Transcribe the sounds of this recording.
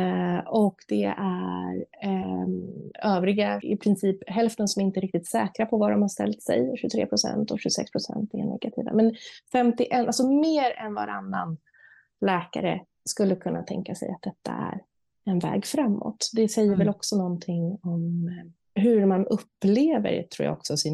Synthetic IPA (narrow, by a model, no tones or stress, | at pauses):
ɔkd̪̥ɛæɾ | øːvɾɪɡaɪ̰pʰɾɪnsiːpɦɛlft̪ənsɔmɪnt̪əɛɾɪk̚t̪ɪt̪sɛːkɾapʰɔvad̪ɔmhaʂt̪ɛ̰lt̪sɛ̰jʂʉt̪ʰɾḛːpʰɾʊsɛ̰nt̪ɔɕʉsɛ̰kspʰɾʊsɛ̰nt̪ɛɳɛ̰ɡat̪ʰḭːva̰mɛnfɛmt̪ɪʔɛnʔalsɔmeːɾɛnva̰ɾa̰nːan | lɛːkaɾə̰ | skɵlːəkʰɵnːat̪ʰɛŋkasɛ̰ja̰t̪̚d̪ɛt̪ʰːa̰æɾ | ɛnvɛ̰ːɡfɾamːo̰t̪d̪ɛsɛjːəɾvɛlɔksɔnɔnt̪ʰɪŋːɔm | ɦɵɾmanɵpːleːvə̰ɾt̪ʰɾuːja̰ɔksɔsin